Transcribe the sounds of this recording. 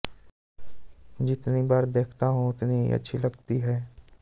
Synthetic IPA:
d͡ʒɪt̪nibaːɾd̪eːkʰt̪aɦũʊt̪niɦḭɐ̰tːʃʰilɐɡt̪iɦɛː

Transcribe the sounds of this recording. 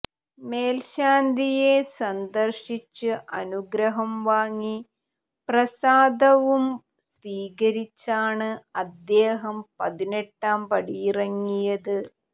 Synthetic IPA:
meːlɕaːnd̪ʱije̞sɐnd̪ɐrɕit͡ɕːɨʔɐnuɡɾɐɦɐmʋaːŋːi | prɐsaːd̪ɐʋum | sʋiːɣɐɾit͡ɕːaːɳɨɐd̪ːeːɦɐmpɐðine̞ʈːaːmpɐɽijirɐŋːijɐðɨ

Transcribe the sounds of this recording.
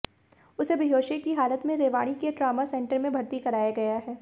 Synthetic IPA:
ʊsebʱɪɦoːʃekiɦaːlət̪mẽɾeːʋaːɽ̃ikeʈɾaːmasɛ̃ɳʈəɾmẽbʱɐɾt̪ikɐɾaːjaɡɐjaɦɛː

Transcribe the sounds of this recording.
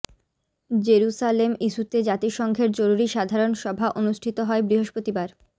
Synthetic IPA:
d͡ʑeɾuʃalemiʃut̪ed͡ʑat̪iʃɔŋɡʱeɾd͡ʑoɾuɾiʃad̪ʱaɾonʃɔbʱaʔonuʃʈʰit̪oɦɔebɾiɦoʃpot̪ibaɾ

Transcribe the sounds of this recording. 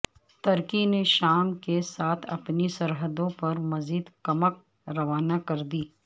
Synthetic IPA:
t̪ɐɾkineʃaːmkesaːt̪ʰɐ̰pnisɐɾɦəd̪õpɐɾmɐziːd̪kɐmək̚ | ɾɐʋaːnakɐɾd̪iː

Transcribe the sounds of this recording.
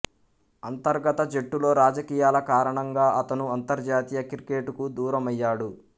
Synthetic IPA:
ɐnt̪ɐɾɡɐt̪ɐd͡ʒe̞ʈːulo̞ːɾaːd͡ʒɐkiːjaːlɐkaːɾɐɳɐŋɡaːʔɐt̪ɐnuɐnt̪ɐɾd͡ʒaːt̪iːjɐkiɾike̞ːʈukud̪uːɾɐmɐjːaːɽu

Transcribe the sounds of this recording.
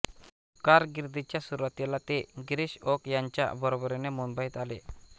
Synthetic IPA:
kaɾɡiɾd̪it͡ɕjasuɾat̪elat̪eɡɾiɕɔkjaɲt͡ɕja̰bəɾobəɾenemumbəjt̪ale

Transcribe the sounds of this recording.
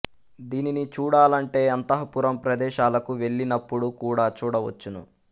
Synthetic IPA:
d̪iːninit͡ʃuːɽaːlɐɳʈe̞ːɐnt̪ɐɦɐpuɾɐmpɾɐd̪ɛːʃaːlɐkuʋe̞ɭːinɐpːuɽukuːɽaːt͡ʃuːɽɐʋɐ̰t͡ʃːunṵ

